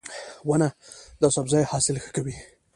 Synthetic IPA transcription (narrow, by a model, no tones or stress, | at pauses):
wanad̪ɑsabzɑjhɑsɪlxə̥kawi